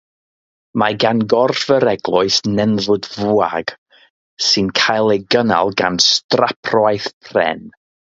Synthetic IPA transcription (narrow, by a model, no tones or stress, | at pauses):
maɡanɡɔrvəɾɛɡlˠʊɨsnɛnðʊdvuaɡ̥ | sɨnkʰajlˠejɡəna̰lˠɡa̰nstrapʰrwajθpʰrɛ̰n